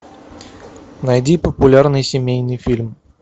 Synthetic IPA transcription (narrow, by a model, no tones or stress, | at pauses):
nɐjdʲipəpʊlʲarnɨjsʲɪmʲejnɨjfʲilʲm